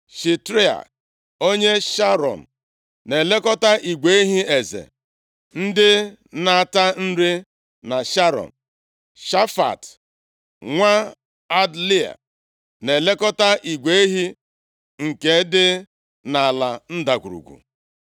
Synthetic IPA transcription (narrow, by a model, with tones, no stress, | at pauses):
ʃi˨tɾi˦a̰˨ | o˦ɲe˦ʃa˦ɾɔ̰˨n̩˨ | ne˨le˦kɔ˦ta˦ʔi˨ɡʷe˨˦ɦi˦e˨zḛ˨ | n̩˦dɪ˦na˨ta˦n̩˦ɾɪ˦ | na˨ʃa˦ɾɔ̰˨n˨ | ʃa˦fa̰˨t | ŋʷa˦ | a˦dli˦a̰˨ | ne˨le˦kɔ˦ta˦ʔi˨ɡʷe˦e˦ɦi˦ | ŋ̩˨ke˨˦dɪ˦ | na˨a˨la˨n̩˦da˨kʷṵ˨ɾṵ˨ɡʷṵ˨